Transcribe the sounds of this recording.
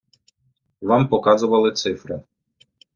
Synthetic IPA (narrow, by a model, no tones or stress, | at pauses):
ʋɑmpɔkɑzʊʋɐlˠɪt̪sɪfɾɪ